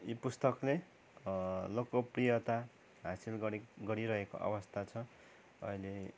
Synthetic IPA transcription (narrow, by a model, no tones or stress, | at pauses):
ipust̪ʌkle | lokoprijʌt̪a | ɦasilɡʌɡʌɽiɾʌɦeko̰ʔʌ̰bʌst̪ʰat͡sʰʌ | ʌ̰ile